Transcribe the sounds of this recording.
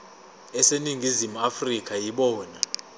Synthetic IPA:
ɛseniŋʱizimuafrik̬ʰʼajiɓɔːna

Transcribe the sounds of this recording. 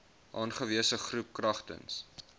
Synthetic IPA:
ʔɑːnχəviəsəχrup̚krɐχtə̰ns

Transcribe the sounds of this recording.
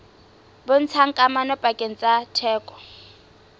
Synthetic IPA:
bʊn̩t͡sʰaŋkʼamanɔpʼakʼen̩t͡sʼatʰɛːkʼɔ̥

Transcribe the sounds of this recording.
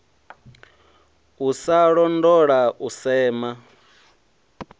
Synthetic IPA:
usaɺɔndɔɺaʔusɛːma

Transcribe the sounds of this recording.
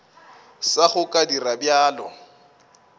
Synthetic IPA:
saχʊkʼadirabjaːlɔ̰

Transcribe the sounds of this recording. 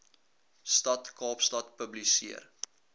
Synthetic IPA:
stɐtkɑːpstɐtpəblisiər

